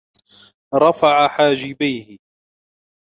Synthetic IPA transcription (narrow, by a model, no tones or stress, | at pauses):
ɾˤɑfaʕaħaːd͡ʒɪbajhɪ